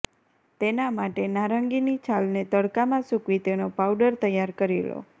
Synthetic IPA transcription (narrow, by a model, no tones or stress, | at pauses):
t̪enamaʈenaɾəŋɡinit͡ʃʰalnet̪əɽkamãsukʋit̪enopawɖəɾt̪əjaɾkəɾilo̰